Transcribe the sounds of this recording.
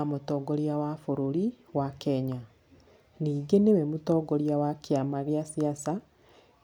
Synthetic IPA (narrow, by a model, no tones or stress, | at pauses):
amotɔːɡoɾiawafoɾoɾi | wakɛɲa | niːɡenewɛmotɔɡoɾiawakjamaɣeasiasa